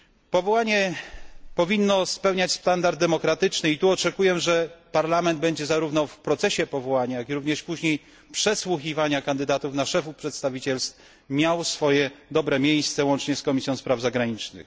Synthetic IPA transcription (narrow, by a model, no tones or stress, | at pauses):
pɔvɔwaɲɛ | pɔvʲinːɔspɛwɲat͡ɕst̪and̪aɾd̪̚ːɛmɔkɾat̪ɘt͡ʂnɘit̪uɔt͡ʂɛkujɛʐɛpaɾlamɛnd̪̚bɛɲd͡ʑɛzaɾuvnɔfpɾɔt̪sɛɕɛpɔvɔwaɲajakʲiɾuvɲɛʂpuʑɲej | pʂɛswuxʲivaɲakand̪ɘd̪at̪ufnaʂɛfupʂɛt̪st̪avʲit͡ɕɛlst̪ | mʲjawsfɔjɛd̪ɔbɾɛmʲjejst̪sɛwɔnt͡ʂɲɛskɔmʲisʲjɔ̃w̃spɾavzaɡɾaɲit͡ʂnɘ̰x